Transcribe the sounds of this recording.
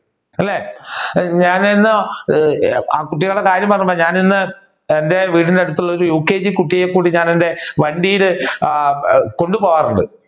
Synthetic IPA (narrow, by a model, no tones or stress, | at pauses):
ɐlːeː | ɲaːninːo | a̰ːkuʈːiɣɐɭɽekaːɾjɐmpɐrɐɲːumboːɲaːninːɨ | ende̞ʋiːʈineɽut̪̬ːuɭːɐoɾujuːkːeːd͡ʑikuʈːijekːuːɽiɲaːnende̞ʋɐɳɖijiɾɨ | ko̞ɳɖupoːɣaːruɳɖɨ̰